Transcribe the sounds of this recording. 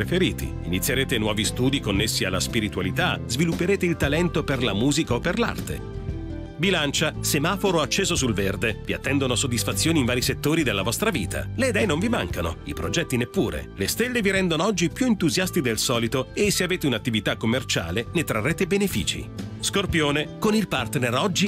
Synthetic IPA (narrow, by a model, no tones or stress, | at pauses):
efeɾiːt̪ḭinit̪sːjeɾeːt̪enwɔːvist̪uːd̪ikonːesːialːaspiɾit̪walit̪azvilupːeɾeːt̪eilt̪alɛnt̪operlamuːzikaopːerla̰rt̪ḛ | bilant͡ʃasemaːfoɾoat͡ʃːeːzosulverd̪eviat̪ːɛnd̪onosod̪ːisfat̪sːjoːniɱvaːɾiset̪ːoːɾid̪elːavɔst̪ɾaviːt̪ʰa̰led̪ɛjnoɱvimaŋkano̰ipɾod͡ʒɛt̪ːinepːuːɾḛlest̪elːeviɾɛnd̪onoɔd͡ʒːipjuent̪uzjast̪id̪elsɔːlit̪oesːeaveːt̪eunat̪ːivit̪akːomːert͡ʃa̰ːlenet̪ɾarːeːt̪ebenefḭːt͡ʃḭskorpjoːnekonilpart̪nerɔd͡ʒːi